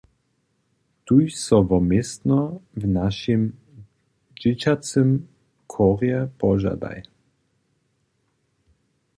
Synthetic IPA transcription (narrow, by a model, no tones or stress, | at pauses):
t̪ujsɔvɔmest̪nɔvnaʃim | d͡ʒɪt͡ɕat̪t͡s̪əm | kʰɔʁjɛpɔʒa̰d̪a̰j